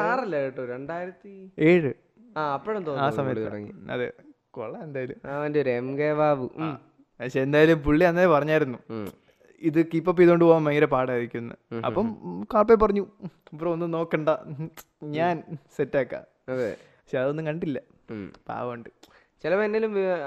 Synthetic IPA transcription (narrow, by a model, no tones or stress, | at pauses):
aːrilːeʈːoɾeɳɖaːjiɾɐt̪ːie̞ːɻɨ | aːɐpːoɽɐmt̪oːaːsɐmɐjɐ̰ːɽɐːiɐ̰ðḛ | ko̰ɭːɐend̪aːjɐlumaːɐndeoɾemɡeːʋaːʋɨ | ɐkɕeːnd̪aːjɐlumpuɭːiɐnːapɐrɐɲːaːjiɾunːu | iðɨkiːpːɐp̬ːiðooɳɖɨpoːamːɐjɐɾepaːɽaːjiɾikʲːunːɐ̰ɐ̰pːɐmkaːpːep̬ːɐrɐɲːuɐpːrɐonːɨno̞ːkːeɳɖɐ | ɲaːnsetːaːkːa̰ː | ɐðe | ɐkɕeɐðonːɨkɐɳɖilːɐ | pa̰ːʋɐɳɖɨ | t͡ɕilɐpenːelum